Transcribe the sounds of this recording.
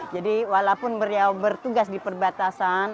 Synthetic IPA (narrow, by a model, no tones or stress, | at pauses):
d͡ʒadiwalapʊnbərjawbərt̪uɡasdipərbat̪asan